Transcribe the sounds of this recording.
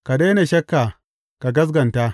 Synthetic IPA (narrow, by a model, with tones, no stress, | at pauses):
ka˨deː˦ne˨ʃɐ˦kːa˨ | ka˨ɡɐ˦s̬ɡɐ˨nta˦